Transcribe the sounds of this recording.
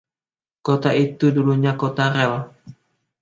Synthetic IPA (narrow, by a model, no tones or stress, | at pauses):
kot̪ait̪uduluɲakot̪aɾɛl